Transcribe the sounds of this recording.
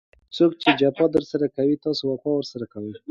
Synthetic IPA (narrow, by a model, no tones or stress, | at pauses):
t͡sok̚t͡ʃed͡ʒapɑd̪əɾsaɾakawit̪ɑsowakɑwəɾsaɾakawəj